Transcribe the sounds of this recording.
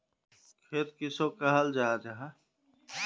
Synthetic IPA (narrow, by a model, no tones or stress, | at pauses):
kʰeːt̪kisokaɦɐld͡ʒaːd͡ʒaɦa